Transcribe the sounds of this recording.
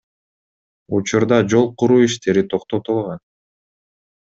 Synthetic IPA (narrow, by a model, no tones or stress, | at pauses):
ut͡ʃuɾd̪ɑd͡ʒo̞lˠquɾuːiʃt̪e̞ɾit̪ʰo̞qt̪o̞t̪ulˠʁɑn